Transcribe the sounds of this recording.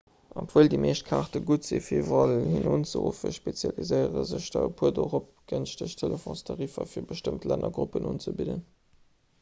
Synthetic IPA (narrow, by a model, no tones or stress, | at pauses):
opv̥oːldimʔeːʃt̚kʰaʁtəɡutzefiːvʁɑlhinunt͡səʁufəʃpet͡sjɑlizəɪəʁəzəʃd̥ɑəpʰuɐdoʁop̚ɡ̥ənʃtəʃtʰeləfõstʰɑʁifɐfiːɐbəʃtəmtlænʔɐɡʁupənuːnt͡səbidən